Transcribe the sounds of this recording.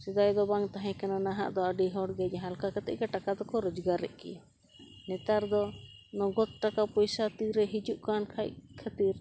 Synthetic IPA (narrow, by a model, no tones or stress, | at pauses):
sɛd̪ajd̪ɔbaŋt̪aɦɛ̃kɛnanaɦa̰ʔd̪ɔəɖiɦɔɽɡɛd͡ʒɛɦalkakat̪ɛ̰ʔkaʈakad̪ɔkɔɾɔd͡ʒɡaɾɛ̰ʔkɛ̰ja | nɛt̪aɾd̪ɔnɔɡɔt̪̚ʈakapɔjsat̪iɾɛɦid͡ʒuʔkankʰaʔkʰat̪iɾ